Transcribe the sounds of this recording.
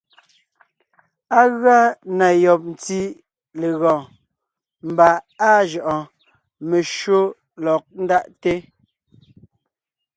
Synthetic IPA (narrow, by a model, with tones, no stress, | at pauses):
a˦ɣɰa˦na˨jɔ˨p̚n̩˨ti˦ | le˨ɣɔ̃ː˨ | m̩˨ba˨a˦ʒɔ˨ʔɔ̃˨ | me˨ʃo˦ | lɔ˨k̚n̩˦da˦ʔte˦